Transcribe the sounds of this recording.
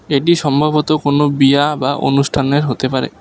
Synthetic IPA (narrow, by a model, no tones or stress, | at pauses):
eʈiʃɔmbʱabot̪okonobiabaʔo̰nuʃʈʰaneɾɦot̪epaɾḛ